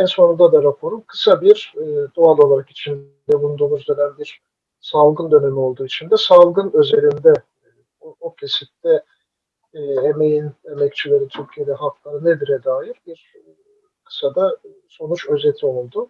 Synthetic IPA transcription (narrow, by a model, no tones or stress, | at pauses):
ɛnso̞nund̪ad̪aɾapʰo̞ɾumkʰɯ̥sabiɾːd̪oalˠo̞lˠaɾaki̥t͡ʃʰin | d̪ɛbund̪uːmuzd̪ød̪ænbiɾ̥ | salˠɡɯnd̪ø̞ne̞mio̞lˠd̪uːit͡ʃʰind̪ɛsalˠɡɯnø̞ze̞ɾind̪ɛ | ocʰe̞sit̚t̪ʰɛː | eme̞jinemɛct͡ʃʰilʲe̞ɾit̪ʰyɾcʰije̞d̪ɛhak̪lˠaɾɯnɛd̪iɾɛd̪aːjiɾbiɾ̥ | kʰɯ̥sad̪a | so̞nut͡ʃø̞zet̪ʰio̞lˠd̪ʊ